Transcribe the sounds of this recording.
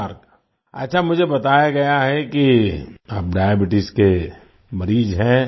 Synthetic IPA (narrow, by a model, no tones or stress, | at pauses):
ɾk | ɐtːʃʰamʊd͡ʒʱebɐt̪aːjaɡɐjaɦɛkiaːp̚ɖaːjəbɪʈɪske | mɐɾiːd͡ʒɦɛ̃ː